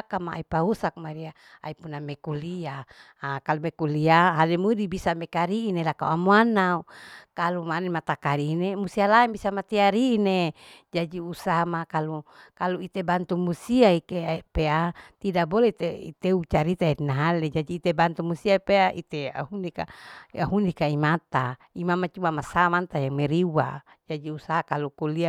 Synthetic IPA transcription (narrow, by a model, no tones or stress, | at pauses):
akamaʔa̰ipausak̚maɾia | a̰ipunamekulia | kalumekuliaɦalemudibisamekaɾiːnelakauamuanaukalumanemat̪akaɾiːnemusialaɛmbisamat̪iaɾiːned͡ʒad͡ʒiusaɦamakalukaluit̪ebant̪umusiaikepeat̪idaboleit̪eḭt̪eut͡ʃaɾit̪aeinaɦaled͡ʒadiːt̪ebant̪umusiapeaʔḭt̪ea̰hunika̰aɦundikaimat̪a | imamat͡ʃumamasamant̪ajameɾiwa̰ | d͡ʒadiusaɦakalukolia